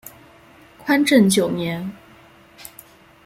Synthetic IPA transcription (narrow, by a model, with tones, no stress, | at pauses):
kʰwa˥nʈ͡ʂə˥˩nt͡ɕjo˨˩ʊnjɛ˧˥n